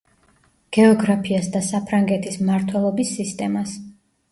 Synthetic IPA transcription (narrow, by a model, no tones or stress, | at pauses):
ɡ̥ɛɔɡɾapʰiasd̪asapʰɾaŋɡɛt̪ʰismaɾt̪ʰwɛlˠɔbisːist̪ʼɛmas